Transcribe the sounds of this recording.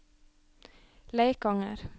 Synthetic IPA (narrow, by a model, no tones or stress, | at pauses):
leɪkɑŋə̰ɾ